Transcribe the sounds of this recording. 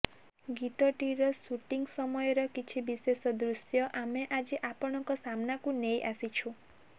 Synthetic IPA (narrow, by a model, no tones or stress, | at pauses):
ɡit̪ɔʈiɾɔsuʈiŋɡsɔmɔjɔɾɔkit͡ʃʰibisesɔd̪ɾusjɔʔameʔad͡ʒiʔapɔɽ̃ɔkɔsamnakũnejʔasit͡ʃʰũ